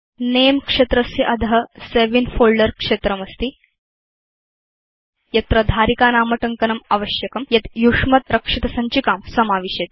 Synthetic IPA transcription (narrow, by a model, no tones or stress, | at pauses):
nemkʂet̪ɾəsiʔɐd̪ʱɦəseʋinfoɭɖəɾkʂet̪ɾɐmɐst̪i | jɐt̪ɾɐd̪ʱaːɾikaːnaːmɐʈɐŋkɐnɐmɐʋɐɕjɐkɐmjɐt̪juʂmɐt̪ɾɐkʂit̪ɐsaɲt͡ɕikaːmsɐmaːʋiɕet̪̚